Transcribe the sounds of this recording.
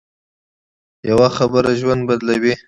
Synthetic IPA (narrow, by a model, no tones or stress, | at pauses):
jawaxabəɾaʒwand̪̚bad̪lawi